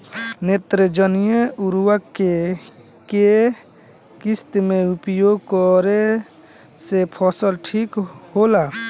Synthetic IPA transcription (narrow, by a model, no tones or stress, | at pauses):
net̪ɾəd͡ʒənijeʊɾwake | ke | kɪst̪mẽʊpjoːɡkɔɾe | sepʰɔsəlʈʰikholaː